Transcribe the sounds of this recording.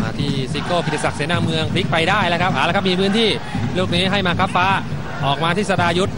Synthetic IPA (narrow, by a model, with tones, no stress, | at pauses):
ma̰ː˧t̪ʰiː˥˩siː˨˧˥kːoː˥˩kʰi˨˩t̪sa˨˩k̚siː˩˦naː˧˩mɯ˧əŋpʰli˦˥k̚pa˧jdaː˥˩jlɛː˦˥˩kʰa˦˥p̚ʔaː˨˩˦lːkʰa˦˥pmiː˧pʰɯː˦˥˩nt̪ʰiː˥˩ | luː˥˩k̚niː˦˥ɦa˥˩jmaː˧kʰa˦˥p̚faː˦˥ | ʔɔː˨˩k̚maː˧t̪ʰiː˦˥˩sa˧daː˧ju˦˥t̪̚